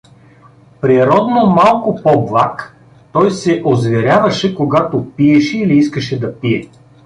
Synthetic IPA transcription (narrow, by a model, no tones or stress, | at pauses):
pɾiɾɔd̪nomalˠkopɔblˠak | t̪ɔjsɛʔozvɛɾʲavɐʃɛkoɡat̪opiɛʃɛiliiskəʃɛd̪ɐpiɛ